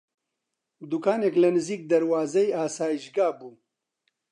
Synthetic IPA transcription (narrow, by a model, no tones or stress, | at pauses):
d̪ukʰaːneːklɐnɨziːk̚d̪ɐɾwaːzɛjaːsaːjiʃɡaːbuː